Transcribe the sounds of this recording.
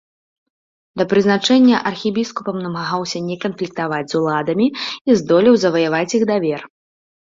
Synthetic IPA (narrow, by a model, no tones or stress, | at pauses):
d̪ɐpɾɨznat͡ʂɛnʲːɐʔɐrxʲibʲiskupɐmnɐmaɣawsʲɐnʲɛkɐnflʲik̚t̪avad͡zʲzulˠad̪ɐmʲiizd̪ɔlʲiwzɐvɐjavat͡sʲjiɣd̪avʲɛr